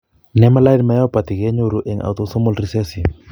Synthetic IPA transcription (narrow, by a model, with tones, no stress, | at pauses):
nɛ˦ma˦la˦i˦nma˨jɔ˦pa˨t̪i˨kɛ˦ɲo˦ɾu˨ʔɛ˨ŋʔa̰˨wt̪o˦sɔ˦mɔ˦lri˦sɛ˦si˨